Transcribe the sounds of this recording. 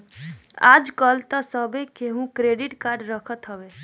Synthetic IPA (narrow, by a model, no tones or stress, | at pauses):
a̰d͡ʒkəlt̪əsəbekeɦũkɾeɖiʈkaɾɖɾəkʰət̪ɦəbe